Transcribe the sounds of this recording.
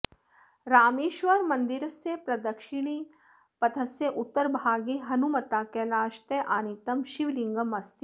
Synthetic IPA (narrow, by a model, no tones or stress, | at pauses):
ɾaːmeːʃʋɐɾmɐnd̪iɾɐsjepɾɐd̪ɐkʃiɳ̃iː | pɐt̪ʰɐsjeʔut̪ːɐɾbʱaːɡeɦɐnumɐt̪aːkelaːʃt̪eʔaːnit̪ɐmʃiʋliŋɡɐmɐst̪i